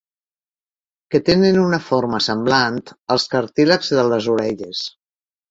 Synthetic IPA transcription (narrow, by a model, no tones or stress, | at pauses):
kət̪enənunəfoɾməsəmblant̪əlˠskəɾt̪iləkzðəlˠəzuɾɛʎəs